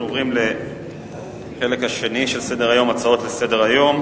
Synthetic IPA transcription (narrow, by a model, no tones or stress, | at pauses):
ovʁimle̞ | χe̞le̞khaʃe̞niʃe̞lse̞de̞ʁajo̞mat͡sao̞tlese̞de̞ʁajo̞m